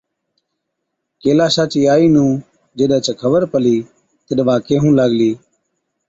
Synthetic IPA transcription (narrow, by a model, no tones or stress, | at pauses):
keːlaːsaːt͡ʃiːaːiːnũː | d͡ʒeɗət͡ʃəkʰəʋəɾpəliː | t̪əɗʋaːkeːɦũːlaːɠliː